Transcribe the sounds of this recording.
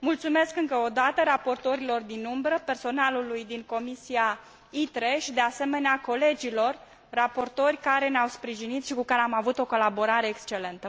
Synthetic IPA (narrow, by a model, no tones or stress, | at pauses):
mult̪sume̞skɨŋkəod̪at̪əɾapo̞rt̪o̞ɾilo̞rd̪inumbɾəpe̞rso̞nalulujd̪iŋko̞misia | it̪ɾe̞ʃid̪e̞ase̞me̞neako̞le̞d͡ʒilo̞rː | apo̞rt̪o̞rʲkaɾe̞neawspɾiʒinit̪ʃikukaɾeamavut̪o̞ko̞labo̞ɾaɾe̞ːkst͡ʃe̞le̞nt̪ə